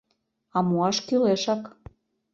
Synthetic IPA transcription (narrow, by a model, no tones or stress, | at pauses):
ɑmuɑʃkyleʃɑk